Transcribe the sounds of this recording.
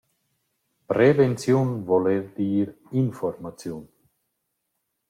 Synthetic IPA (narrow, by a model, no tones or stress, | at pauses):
pɾevɛnt͡sjoːnvɔlerd̪iːɾ | infɔrmat͡sjoːn